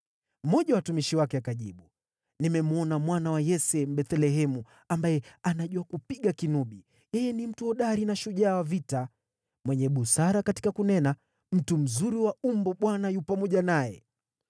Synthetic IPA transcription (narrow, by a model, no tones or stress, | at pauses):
m̩mɔʄawatumiʃiwakɛakaʄḭɓu | nimɛmuɔnamwanawajɛsɛmɓɛθɛlɛɦɛmu | ambajɛanaʄuakupiɠakinuɓi | jɛjɛnim̩tuɔɗaɾinaʃuʄaːwavita | mwɛɲɛɓusaɾakati̥kakunɛna | m̩tum̩zuɾiwaumbɔɓwanajupamɔʄanajɛ̰